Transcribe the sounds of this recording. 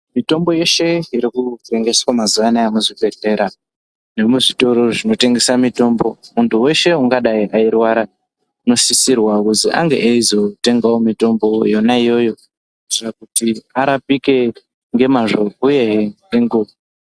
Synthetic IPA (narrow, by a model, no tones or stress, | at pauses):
mito̞mbo̞je̞ʃe̞iɾikure̞ŋɡe̞swamazuʋanajamuʐiɓeɬe̞ɾa | ne̞muʐito̞ɾo̞ʐino̞te̞ŋɡe̞samito̞ːmbo̞muntʰuwe̞ʃe̞uŋɡaɗaiʔairwaɾa | uno̞sisirwakuziʔa̰ŋɡe̞̰ʔeizo̞te̞ŋɡawomito̞mbo̞jonaijo̞jo̞ | itirakutiaɾapike̞ | ŋɡe̞maʐo̞uje̞ɦ | eŋɡuʋo